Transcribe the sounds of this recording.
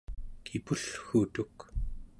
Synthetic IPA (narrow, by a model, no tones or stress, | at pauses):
kʰipuɬxut̪uk